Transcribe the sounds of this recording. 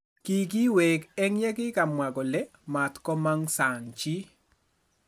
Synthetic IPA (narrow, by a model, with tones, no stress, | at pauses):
ki˦ki˦wɛ˨kɛ˦ŋjɛ˦kɪ˦ka˨mwa˨ɡɔ˨lɛ˦ | ma˨tkɔ˦ma˦ŋsa˨ŋt͡ʃi˦